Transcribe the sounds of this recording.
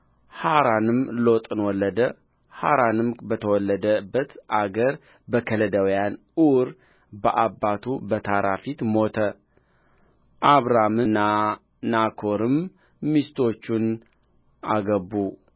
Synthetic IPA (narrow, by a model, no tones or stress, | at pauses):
haɾanɨmlo̞t̪ʼɨnwɔlːəd̪ə | haɾanɨmbət̪ʰəwɔlːəd̪əbːət̪ʔaɡəɾ | bəkʰələd̪əwijan | uɾ | bəʔabːat̪ʰubət̪ʰaɾʔafit̪mo̞t̪ʰə | ʔaβɾamɨnːa | nakʰo̞ɾɨmː | ist̪ʰo̞t͡ʃːun | ʔaɡəbːu